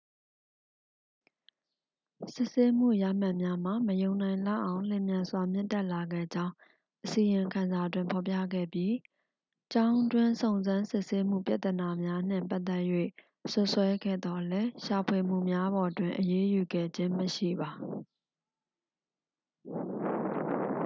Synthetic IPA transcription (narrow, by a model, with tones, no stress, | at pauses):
sɪ˦ʔse˦m̥ṵ˦˨ja̰˦˨m̥ã˦ʔmja˦m̥a˦˨məjõ˨ʊ̃nã˨ɪ̃lä̰˦˨ʔã˨ʊ̃l̥ɛ̃˨mjã˨nzwa˨mjɪ̰̃˦˨tɛ˦˨ʔla˨ɡɛ̰˦˨d͡ʑã˦ʊ̃ | ʔəsi˨jɪ̃˨ŋkʰã˨nza˨twɪ̃˨mpʰɔ˨pjä̰˦˨ɡɛ̰˦˨bji˦ | t͡ɕã˦ʊ̃ndwɪ̃˦nsõ˨ʊ̃nzã˦nsɪ˦˨ʔse˦m̥ṵ˦˨pja̰˦ʔt̪əna˨mja˦n̥ɪ̰̃˦˨mpa˦ʔt̪ːɛ˦˨ʔjwḛ˦˨ | sʊ˦ʔswɛ˦ɡɛ̰˦˨d̪ɔ˨lɛ˦ʃa˨pʰwe˨m̥ṵ˦˨mja˦bɔ˨dwɪ̃˨ʔəje˦ju˨ɡɛ̰˦˨d͡ʑɪ̃˦məʃḭ˦˨ba˨